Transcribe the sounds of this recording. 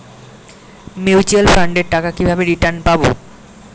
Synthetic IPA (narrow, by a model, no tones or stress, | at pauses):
mit͡ɕielfɾaɳɖeɾʈakakibʱabeɾiʈaɾnpabo̰